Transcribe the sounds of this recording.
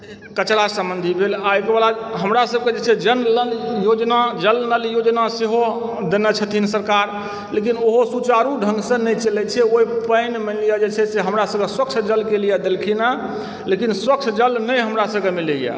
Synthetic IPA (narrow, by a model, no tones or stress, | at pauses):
kət͡ʃɾasə̃mbə̃nd̪ʱibʱelaekebalaɦəmɾasəb̚ked͡ʒet͡ʃʰɛd͡ʒənləljod͡ʒnad͡ʒəlnəljod͡ʒnaseɦod̪enɛt͡ʃʰət̪ʰinsəɾkaɾ | lekinoɦosut͡ʃaɾuɖʱə̃ŋɡsə̃nɛjt͡ʃəlɛt͡ʃʰɛoipəɪnmənlijad͡ʒet͡ʃʰɛseɦəmɾasəb̚keswək̚t͡ʃʰd͡ʒəlkelijad̪elkʰina | lekinswək̚t͡ʃʰd͡ʒəlnəjɦəmɾasəbkemileja̰